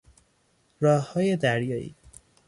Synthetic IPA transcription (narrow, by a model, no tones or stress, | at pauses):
ɾɒːhhɒːjed̪æɾjɒːḭː